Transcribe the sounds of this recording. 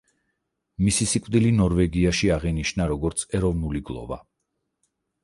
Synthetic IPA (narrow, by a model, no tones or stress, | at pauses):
misisikʼvd̪ilinɔɾvɛɡiaʃiaʁɛniʃnaɾɔɡɔɾt̪sʰɛɾɔvnuliɡlˠɔ̰va̰